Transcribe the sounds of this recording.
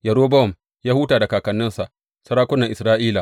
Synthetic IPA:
jɐ˨ɾoː˦bɔ˦˨m | jaː˦huː˦taː˨da˨kaː˨kɐ˨nːɪ˦nsa˨ | sɐ˦ɾaː˦kʷʊ˦nːɐ˨ʔɪ˨sɾaː˦ʔiː˦la˨

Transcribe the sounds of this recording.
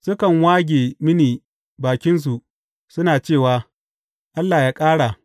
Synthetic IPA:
sʊ˦kɐ˨ŋwaː˦ɡʲeː˨mɪ˦niː˨ | baː˨kʲɪ˦ns̬u˨ʔ | sʊ˦naː˨t͡ʃeː˦˨waː˦ | ʔa˦lːaː˨jaː˦kʼaː˦ɽa˨

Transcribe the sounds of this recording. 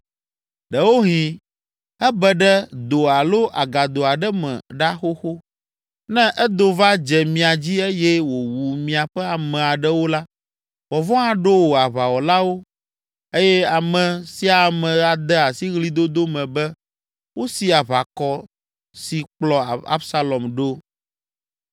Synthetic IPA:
ɖɛ˨wo˦ɦĩ˨ | ɛ˦bɛ˦ɖɛ˦d̪o˨a˨lo˦ʔa˨ɡa˨d̪o˨a˨ɖɛ˦mɛ̰̃˨ɖa˦xo˦xo˦ | nɛ̃˦ʔɛ˦d̪o˨va˦d͡ʒɛ˨mĩ˨a˨d͡ʑi˦e˦jɛ˦wo˨wu˨mĩ˨a˨ɸɛ˦a˨mɛ̃˨a˨ɖɛ˦wo˦la˦ | wɔ˨vɔ̃˦a˨ɖo˦wo˨a˨βa˨wɔ˨la˦wo˦ | e˦jɛ˦a˨mɛ̃˨si˦a˨mɛ̃˨a˨d̪ɛ˦a˨si˦ɣli˦d̪o˦d̪o˦mɛ̃˨bɛ˦ | wo˦si˦a˨βa˨kɔ˨ | si˨k͡plɔ˨a̰˦bsa˦lɔ˨mɖo˦

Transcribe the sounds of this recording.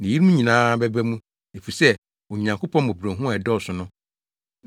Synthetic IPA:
nɪ̃˨ji˦ɾmũ˦ɲĩ˨nãː˦bɛ˦bæ˦mũ˦ | e˨fu˨sɛ˦ | wo˨ɲã˨ŋkʰo˦pʰɔ̃˦n˦mõ˨bɾõ˨ɦũ˦a˨ɛ˨dɔ˦˨sʊ˨nʊ̃˦

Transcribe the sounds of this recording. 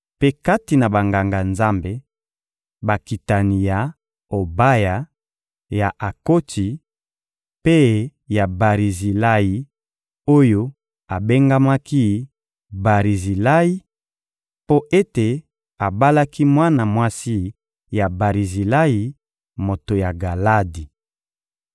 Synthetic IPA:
pe˦ka˦ti˨na˨ba˨ŋɡa˨ŋɡa˨nza˦mbe˨ | ba˨ki˨ta˨ni˨ja˨ | o˨ba˦ja˨ | ja˨ʔa˨ko˦ti˨ | pe˦ja˨ba˨ʁi˨zi˨la˦i˨ | o˦jo˦ | a˨be˦ŋɡa˦ma˦ki˦ | ba˨ʁi˨zi˨la˦i˦ | po˦ʔe˦te˨ | a˨ba˦la˦ki˦mwa˦na˨mwa˦si˦ | ja˨ba˨ʁi˨zi˨la˦ji˨ | mo˨to˨ja˨ɡa˨la˦di˨

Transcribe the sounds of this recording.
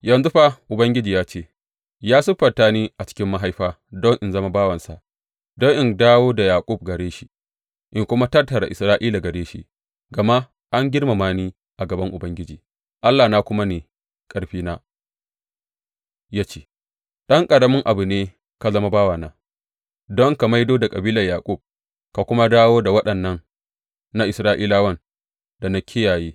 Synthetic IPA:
jɐ˨nzʊ˦ɸa˦ʔʊ˨bɐ˦ŋɡʲɪ˦d͡ʒiː˨jaː˦t͡ʃeː˦ | jaː˦sʊ˦ɸɐ˨taː˦niː˦ʔa˨t͡ʃɪ̥˦kʲɪ˦mːa˦ɦa˦jɸaː˦ | dɔ˦ŋʔɪ˨nzɐ˦ma˦baː˦wɐ˨nsa̰˨ʔ | dɔ˦ŋʔɪ˦˨ndaː˦woː˦da˨jaː˨kʷʼʊ˦˨b̚ɡɐ˨ɽeː˦ʃi˦ | ʔɪ˨ŋkʷʊ˦ma˦tɐ˦rtːɐ˨ɾa̰˨ʔɪ˨sɾaː˦ʔiː˦laː˨ɡɐ˨ɽeː˦ʃḭ˦ | ɡɐ˨ma˦ | ʔa˦ŋɡʲɪ˦ɽma˨maː˦niː˦ | ʔa˨ɡɐ˨bɐ˦ŋʔʊ˨bɐ˦ŋɡʲɪ˦d͡ʒiː˨ | ʔa˦lːaː˨naː˦kʷʊ˦ma˦neː˨ | kʼɐ˨˦ɽɸiː˦naː˦ | jaː˦t͡ʃe̥ː˦˨ | ɗɐ˦ŋkʼɐ˨ɽɐ˦mɪ˦ŋʔa˨bu˨neː˦ | ka˨zɐ˦ma˦baː˦waː˨naː˦ | dɔ˦ŋka˨ma˦jdoː˦da˨kʼɐ˨biː˦lɐ˨jaː˨kʷʼu˦˨b̚ | ka˨kʷʊ˦ma˦daː˦woː˦da˨wɐ˦ɗɐ˨nːɐ˦ŋ | na˦ʔɪ˨sɾaː˦ʔiː˦laː˦wɐ˦˨n | da˨na˦kʲʰɪ˦jaː˨jeː˦

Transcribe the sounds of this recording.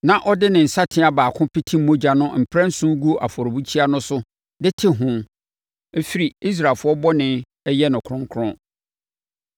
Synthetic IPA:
nã˨ʔɔ˦dɪ˦nɪ̃˨n̩˨sa˦tʰɪ̃˦a˨baː˨kʰʊ̃˦pʰi˦tʰĩ˦m̩˦mõ˦d͡ʑa˨nʊ̃˦m̩˨pʰɾã˦n̩˦sũ˦ɡu˦ʔa̰˨fɔ˨ɾo˨bu˦t͡ɕʰi˦a˦nʊ̃˦sʊ˦ | dɪ˦tʰɪ˦ɦʊ̃˦ | e˦fi˦ɾi˨i˦s̬ɾa˨fʊ˦ɔ˦bɔ˦nɪ̃˦ | ɛ˦jɛ˦nʊ̃˨kʰɾʊ̃˦ŋ˦kʰɾʊ̃˦

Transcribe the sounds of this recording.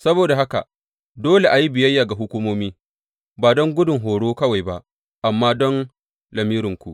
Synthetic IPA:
sɐ˦boː˨da˨ɦa˦ka̰˨ | doː˦le˨ʔa˨ji˦bɪ˨jɐ˦jːaː˨ɡa˨ɦʊ˦kʷuː˦moː˦miː˦ | baː˨dɔ˦ŋɡʷʊ˦dʊ˨ŋɦoː˨ɽoː˦kɐ˦wa˨jba˦ʔ | ʔa˨mːaː˦dɔ˦n | lɐ˨miː˦ɾɪ˨ŋkʷu˨ʔ

